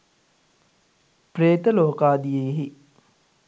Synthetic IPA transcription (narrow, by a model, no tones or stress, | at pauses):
preːt̪əloːkaːd̪ijeɦi